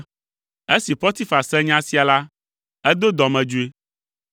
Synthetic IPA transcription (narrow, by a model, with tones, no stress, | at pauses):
e˦si˨ɸɔ˦t̪i˦fa˨sɛ˦ɲã˦si˦a˨la˦ | ɛ˦d̪o˦d̪ɔ˨mɛ̃˨d͡ʒu˦e˦